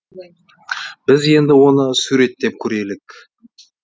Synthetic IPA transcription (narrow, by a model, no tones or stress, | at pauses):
bɪze̞nd̪ɪwo̞nəsuɾe̞t̪ːe̞p̚kʲʰɵɾe̞lɪk